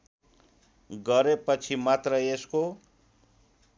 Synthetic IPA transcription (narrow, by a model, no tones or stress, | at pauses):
ɡʌɾepʌt͡sʰimat̪rʌesko